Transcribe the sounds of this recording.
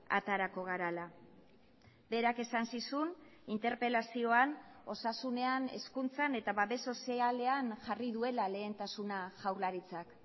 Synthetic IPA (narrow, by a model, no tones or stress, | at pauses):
a̰t̪aɾako̞ɣ̞aɾala | be̞ɾake̞sansisunint̪e̞ɾpelasio̞ano̞sasune̞ane̞̰skunt͡sane̞t̪aβaβe̞so̞siale̞anʝariðue̞lale̞ːnt̪asunaʝawlaɾit͡sak